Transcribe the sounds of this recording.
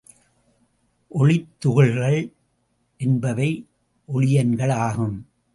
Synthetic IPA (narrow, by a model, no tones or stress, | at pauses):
ʔɔɭɪt̪ːʊɣɐɭɣɐɭ | ʔɛnbɐʋɐɪ | ʔɔɭɪjɐnɡɐɭaːɣɯm